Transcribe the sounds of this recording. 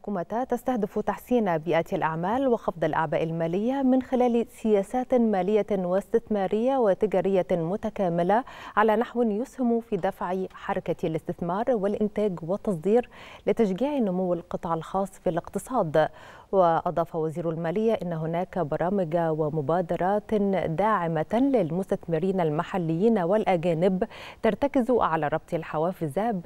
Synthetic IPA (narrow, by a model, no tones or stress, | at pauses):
ħkuːmat̪at̪ast̪ahd̪ɪfut̪aħsiːnbiːʔat̪alʔaʕmaːlwɪxɑfd̪ˤɑlʔa̰ʕbaːʔɪlmaːlɪjːamɪnxɪlaːlsɪjaːsaːt̪maːlɪjːawɪst̪ɪθmɑːɾɪjːawɪt̪ɪɡaːɾɪjːamʊt̪akaːmɪlaʕalaːnaħwɪnjʊshɪmufiːd̪afʕiħɑɾˤɑkalɪst̪ɪθmɑːɾˤwɪlʔɪnt̪aːɡwɪt̪ːɑs̬ˤd̪iːɾlɪt̪æʃɡiːʕinʊmʊwːalqɨt̪ˤʕɑlxɑːsˤːfilɪqt̪ɨsˤɑːd̪ | wɪʔɑd̪ˤɑːfɑwaziːɾalmæːlɪjːaʔɪnːɦʊnæːkbɑɾˤɑːmɪɡawɪmʊbaːd̪ɑɾˤɑːt̪d̪aːʕɪmalɪlmʊst̪æθmɪɾiːnalmaħalːɪjːiːnwɪlʔæɡæːnɪbt̪ɑɾˤt̪akɪzuʕalaːɾˤɑb̚t̪ˤlħawæːfɪzab